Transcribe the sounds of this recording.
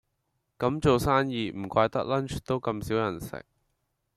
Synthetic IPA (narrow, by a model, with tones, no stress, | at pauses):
kɐ˨˧˥mt͡so˨wsaː˥njiː˨˧m̩˨˩kʷaː˧jt̪ɐ˥k̚lɐ˥nt͡ʃt̪o˥wkɐ˧msiː˨˥wjɐ˨˩nsɪ̰˨k̚